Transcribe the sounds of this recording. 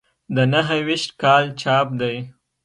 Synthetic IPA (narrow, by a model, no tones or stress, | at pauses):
d̪ənaɦəwiʃt̪kɑlt͡ʃɑp̚d̪aj